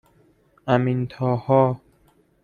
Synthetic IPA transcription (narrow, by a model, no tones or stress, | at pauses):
æmint̪ʰɒːhɒː